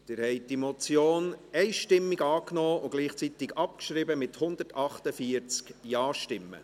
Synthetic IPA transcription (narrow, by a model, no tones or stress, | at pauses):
d̥̪ɪɾhɛɪdimot͡sjoːnɛɪʃtɪmːiɡɑːknɔːʊɡ̥liːχt͡sit̪ɪɡɑp̚kʃɾɪbəmɪt̪hʊnd̪əɾtɑχt̪əfiəɾt͡skjɑːʃtɪmːə̰